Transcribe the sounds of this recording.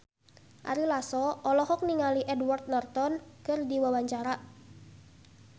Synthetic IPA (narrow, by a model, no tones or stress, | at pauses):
ʔa̰ɾilasɔɔlɔɦɔk̚niŋaliʔɛdwart̪̚nɔrt̪ɔnkɨrdiwawaɲt͡ʃaɾaʔ